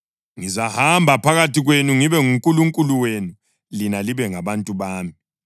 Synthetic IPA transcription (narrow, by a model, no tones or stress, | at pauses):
ŋizahambʱapʰaɣatiɣwenuŋiβɛŋuŋkʼuluŋkʼuluwenu | linaliβɛŋaβantʼuβaːmi